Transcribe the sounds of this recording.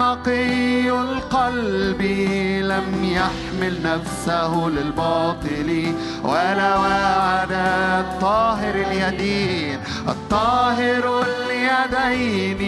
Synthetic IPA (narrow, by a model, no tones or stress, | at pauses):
ɑqialqalbilamjaħmɪlnafsahʊlɪlbɑːt̪ˤɨli | wʔalawaʕad̪at̪ˤːɑːɦɪɾɪljad̪iːn | ʔɑ̰t̪ˤːɑːɦɪɾaljad̪ajni